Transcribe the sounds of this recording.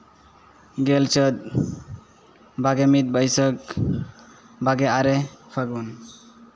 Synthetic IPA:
ɡɛlt͡ʃət̪̚ | baɡɛmit̪̚bəjsək̚ | baɡɛaɾɛpʰaɡun

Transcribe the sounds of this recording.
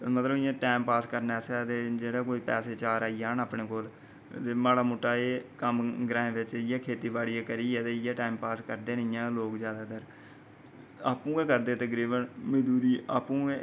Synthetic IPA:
mət̪ləbɪjãːʈaːmpaːskəɾnaɛːsaɛt̪eːd͡ʒeːɽaːkoːiːpɛːseːt͡ʃaːɾaːijaːnaːpɳeːkoːl | eːmaːɽaːmoːʈːaːeːkəmɡɾãːɦẽːʋɪt͡ʃɪjaːkʰeːt̪iːbaːɽiːɛːkəɾiːɛːt̪eːɪjãːʈaːimpaːskəɾd̪eːnɪjãːloːkzjaːd̪aːt̪əɾ | aːpũːẽːkəɾd̪eːt̪əɡɾiːbənmɪd̪uːɾiːʔaːpũːe

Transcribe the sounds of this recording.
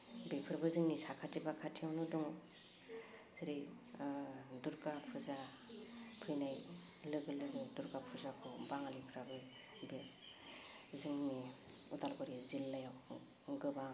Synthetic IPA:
bepʰɯɾbɯzɯŋnisakʰatʰibakʰatʰiawnɔdɔŋ | ziɾi | duɾkapʰɯza | pʰɯjnaj | lɯɡɯlɯɡɯduɾkapʰɯzakʰɔbaŋalipʰɾabɯ | be | zɯŋni | ut̪alɡɔɾizilːajaw | ɡɯbaŋ

